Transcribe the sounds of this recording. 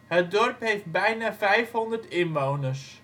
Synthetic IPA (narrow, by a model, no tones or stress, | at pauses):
ɦət̚dɔrpɦejft̚bɛjnaːfɛjfɦɔndərtɪnʋownərs